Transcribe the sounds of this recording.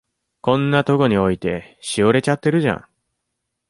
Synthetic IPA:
kõ̞nːat̪o̞ɡo̞ɲ̟io̞it̪e̞ɕioɾe̞t͡ɕat̪ːe̞ɾɯ̟ʑã̰ŋ

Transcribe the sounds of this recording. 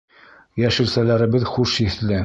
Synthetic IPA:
jæʃɘ̆lsælæɾɘ̆bɘðχuʃiθlɘ

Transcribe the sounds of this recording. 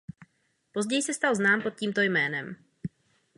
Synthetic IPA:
po̞zɟɛjsɛst̪alznaːmpo̞t̪̚ciːmt̪ojmɛːnɛm

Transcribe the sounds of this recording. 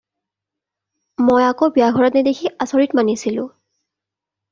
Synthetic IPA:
mojakobiaɡʱɔɹɔtnidekʰiʔasoɹitmanisilʊ̰̃

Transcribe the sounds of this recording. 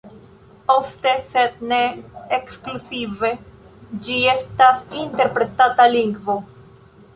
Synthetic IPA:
o̞fte̞sed̚ne̞ːksklusive̞ | d͡ʒie̞stasinte̞ɾpɾe̞tataliŋɡvo̞

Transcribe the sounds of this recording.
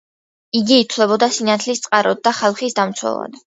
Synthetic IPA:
iɡiːt̪ʰlɛbɔd̪asinat̪ʰlist̪sʼqʼaɾɔd̪̚d̪ːaχalˠχisd̪amt̪sʰwɛ̰lˠa̰d̪

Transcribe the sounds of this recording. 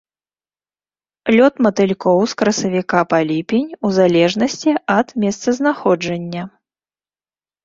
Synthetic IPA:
lʲɔt̪mɐt̪ɨlʲkɔwskɾɐsɐvʲikapalʲipʲinʲuzalʲɛʐnɐsʲt͡sʲiɐd̪mʲɛst̪sɐznaxɔd͡ʐɐnʲːɐ

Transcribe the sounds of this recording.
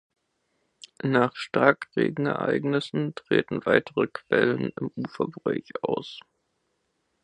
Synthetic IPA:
naːχʃtʁakʁeːɡŋ̩ɛɐʔaa̰ɪɡnɪsn̩tʁ̥eːtn̩vaɪtʰəʁəkʰv̥ɛlənɪmʔuːfɐbʁɔɪçʔaʊs

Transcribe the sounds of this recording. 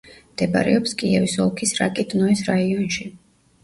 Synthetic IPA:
md̪ɛba̰ɾɛ̰ɔpskʼiɛvisɔlˠkʰisɾa̰kʼɛt̪ʼnɔɛsɾaiɔnʃi

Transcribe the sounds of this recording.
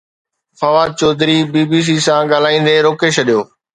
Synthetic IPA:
fɐʋaːd̪̚t͡ɕɔːd̪ɾibiːbiːs̬iːsãɠaːl̤aːĩːn̆d̪eɾoːkeʃɐɗijoː

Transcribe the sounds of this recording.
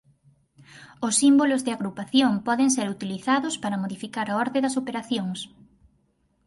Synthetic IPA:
ʊsːimbolozðɪaɣɾupaθjompɔðeŋseɾut̪iliθaðʊspaɾɐmoðifikaɾɐɔɾðeðɐsopeɾaθjoŋs

